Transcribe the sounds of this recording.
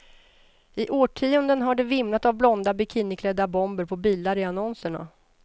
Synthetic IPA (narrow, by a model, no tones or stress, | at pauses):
ɪʔoːʈʰiːʊnd̪ənɦaɖɛvɪmnat̪avblɔnd̪abɪkʰɪnɪkʰlɛd̪ːabɔmbəɾpʰɔbiːlaɾɪanɔnsəɳa̰